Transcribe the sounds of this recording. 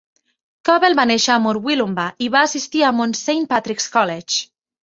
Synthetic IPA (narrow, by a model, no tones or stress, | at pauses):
kɔβelβaneʃaamoɾwilumbaʔiβaːsist̪iamonsejnpat̪ɾikskɔlet͡ʃ